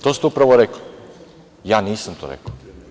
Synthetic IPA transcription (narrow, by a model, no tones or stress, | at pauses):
t̪oːst̪upɾaʋoɾekli | jaːniːsamt̪o̰ɾḛk